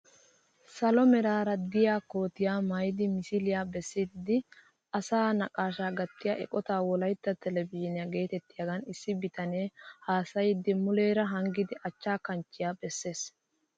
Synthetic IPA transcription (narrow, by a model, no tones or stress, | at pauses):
sɐlɔmɛɾaːɾɐd̪ɪjaːko̞ːt̪ɪjaːmɐjɪd̪ɪmɪsɪlɪjaːbɛsːɪd̪ːɪ | ɐsaːnɐkʼaːʃaːɡɐt̪ːɪjaːʔɛ̰kʼɔt̪aːwɔlɐjt̪ːɐt̪ɛlɛbɪɛnɪjaɡe̞ːt̪ɛt̪ːɪjɐɡɐnɪsːɪbɪt̪ɐneːhaːsɐjɪd̪ɪmʊle̞ːɾɐɦɐŋɡɪd̪ɪʔɐt͡ʃːaːkɐnt͡ʃːɪjaːbɛsːe̞ːs